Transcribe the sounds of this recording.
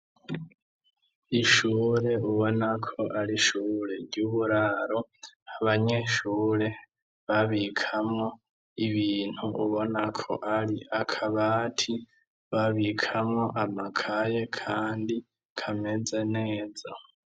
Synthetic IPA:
iʃuːɾe̞uβo̞nakʰo̞ʔaɾiʃuɾe̞ɾɟuːβuɾaɾo̞aβaɲe̞ʃuːɾe̞ | βaβikʰamŋo | iβiːn̥huuβo̞nakʰo̞̰ʔaɾiʔakʰaβaːtʰi | βaβikʰamŋo̞ʔamakʰaje̞kʰaːndi | kʰame̞zene̞ːza

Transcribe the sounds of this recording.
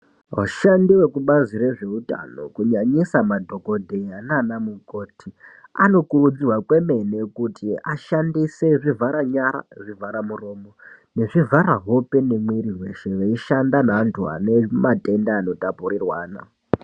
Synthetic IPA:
waʃandiwe̞kuɓazire̞ʐe̞uta̰no̞̰kuɲaɲisamadʱo̞ko̞dʱe̞janaːnamuko̞ːtʰia̰no̞kurud͡zirwakwe̞me̞ne̞kutʰiaʃandise̞ʐivʱaɾaɲaɾa̰ʐivʱaɾamuro̞ːmo̞ | ne̞ʐivʱaɾaɦo̞pe̞nemwiɾiɦwe̞ʃe̞ʋeiʃandanantʰua̰nematʼe̞ndaːno̞tapurirwaːna̰

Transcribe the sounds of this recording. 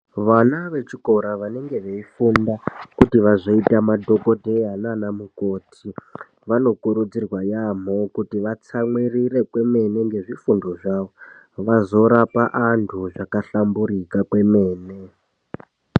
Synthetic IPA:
ʋanaʋe̞t͡ʃiko̞ɾaʋane̞ŋɡe̞ʋeifundakutiʋaʐo̞itamadʱo̞ko̞dʱe̞ɦananamuko̞ːtʰi | ʋano̞kuɾud͡zirwajam̤o̞kutiʋat͡samwirire̞kwe̞mene̞ŋɡe̞ʐifundoʐaʋo | ʋazo̞ɾapaʔantʰuʐakaɬambuɾikakwe̞me̞ːne

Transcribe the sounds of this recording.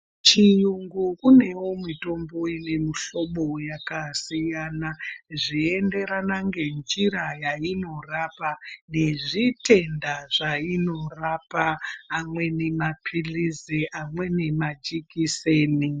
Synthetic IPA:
t͡ʃijuŋɡukune̞womito̞mbo̞ine̞miɬo̞ɓo̞jakasijaːnaʐiende̞ɾanaŋɡe̞nd͡ʒiɾajaino̞rapane̞ʐite̞ndaʐaino̞rapaːmwe̞nemapʰilizeʔamwe̞ne̞mad͡ʒikiseːni

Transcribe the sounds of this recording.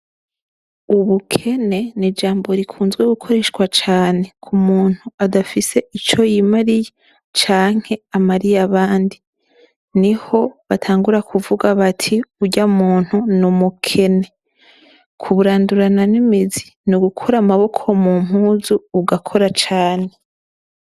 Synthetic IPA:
uβukʰe̞ne̞nid͡ʒaːmbo̞ɾikʰuːnzɡweɡukʰo̞ɾe̞ʃɡwat͡ʃaːne̞kʰumuːn̥huadafise̞ʔit͡ʃo̞jimaɾije | t͡ʃaːŋ̥he̞amaɾijaβaːndi | niho̞βatʰaːŋɡuɾakʰuvuɡaβatʰiuɟamuːn̥hunumukʰe̞ne̞ | kʰuβuɾaːnduɾananimizi | nuɡukʰoɾamaβo̞kʰo̞mum̥uːzuːɡakʰo̞ɾat͡ʃaːne̞

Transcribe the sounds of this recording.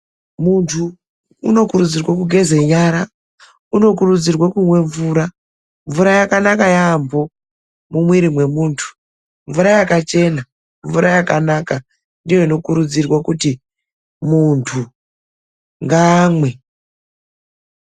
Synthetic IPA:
muntʰṵː | no̞kurud͡zirwakuɡʱe̞ze̞ɲaɾa | uno̞kurud͡zirwakumwe̞ɱvuːɾa | ɱvuɾajakanakajaːmbo̞ | mumwiɾimwe̞muːntʰu̥ | ɱvuɾajakat͡ʃe̞na | ɱvuɾajakanaka | ndijo̞ino̞kuɾud͡zirwakuti | muntʰu | ŋɡaːmwe̞

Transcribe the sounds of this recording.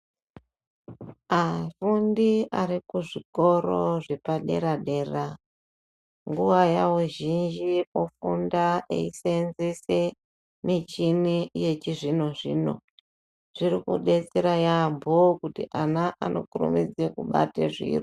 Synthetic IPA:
afundiaɾikuʐiko̞ɾoʐe̞paɗe̞̰ɾaɗe̞ːra | ŋɡuʋajauʒind͡ʒiofundaḛisenzese | mit͡ʃinije̞t͡ʃiʐino̞ʐḭno̞̰ | ʐ̥iɾikṵɗe̞t͡seɾajambʱokutḭʔanaʔano̞̰kuɾṵmid͡zekuɓa̰tḛʐḭːri

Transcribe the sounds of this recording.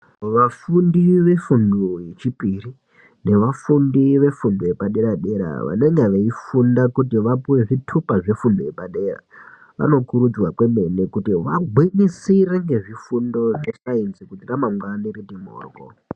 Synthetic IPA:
ʋafundiʋe̞fundoje̞t͡ʃipiri | ne̞ʋafundiʋe̞fundojepaɗe̞ɾaɗe̞ɾa̰ʋa̰ne̞ŋɡeʋeifundakutiʋapuwe̞ʐitʰupaʐe̞fundojepaɗe̞ra̰ | ʋa̰no̞kuɾud͡zwakwe̞me̞nekutiʋaɡʱwinisiɾeŋɡe̞ʐifundo̞ʐeʃainzikutiramamwaniridimo̰ːrɡo̰

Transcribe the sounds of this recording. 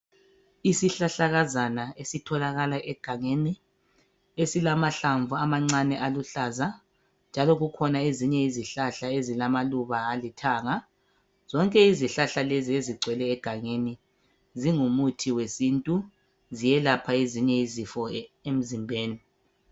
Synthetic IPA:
isiɬaɬaɣazanaesitʰɔlaɣalaʔɛɡ̥ʱaŋeni | esilamaɬaɱvuamaŋ͡ǀanɛʔaluɬaza | nd͡ʒʱalɔɣukʰɔnaeziɲɛiziɬaɬaezilamaluβaːlitʰaːŋa | z̥ɔŋkʼɛiziɬaɬalezieziɡ͡ǀʱwɛlɛːɡ̥ʱaŋeni | ziŋumutʰiwesintʼu | zijɛlapʰaeziɲɛizifɔem̩zimbʱeːni

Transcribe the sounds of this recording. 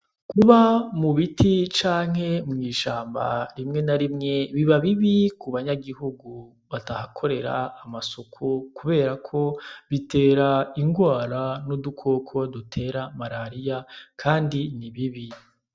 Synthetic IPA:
kuβamuβitit͡ʃaːŋ̥he̞mŋiːʃaːmba̰ɾimŋe̞naɾimŋe̞βiβaβiβikuβaɲaɡihuɡu | βatahakʰo̞ɾe̞ɾa̰ːmaso̞kʰokuβe̞ːɾakʰo̞βite̞ːɾaiŋɡwaːɾanudukʰo̞ːkʰo̞dutʰe̞ːɾamaɾaɾijakʰaːndiniβiβi

